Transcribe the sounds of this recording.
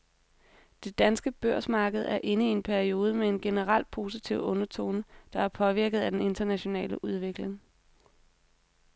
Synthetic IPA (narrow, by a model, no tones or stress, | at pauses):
d̥e̝d̥ænsɡ̥əb̥øɐ̰smɑ̈ːɡ̥əð̞̩ˠæɐʔe̝nəie̝npʰæɐio̝ːð̞ˠəmee̝nɡ̥e̝nəʁɑl̰pʰo̝ːsit͡sʰiʊ̰ɔ̽nɐt͡sʰo̝̰ːnəd̥ɑ̈æɐpʰɒ̽ʋiɐɡ̥ð̩ˠæd̥ene̝nd̥ɐnæɕo̝nɛ̰ːləʔuð̞ˠʋeɡ̥le̝ŋ